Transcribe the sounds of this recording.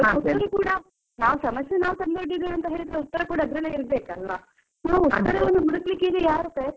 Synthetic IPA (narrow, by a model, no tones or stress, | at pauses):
ɐut̪ːɐɾɐɡukuːɽɐ | naːʋsɐmɐsjenaːʋt̪ɐmd̪oɖːid̪ʋiɐnt̪ɐɦe̞ːɭid̪ɾeut̪ːɐɾɐkuːɽɐɐd̪ɾɐnːeːiɾbeːkɐlʋɐ | naːʋuːɐɾɐond̪umuɽɐklikːid̪ejaːɾuk̪ɐ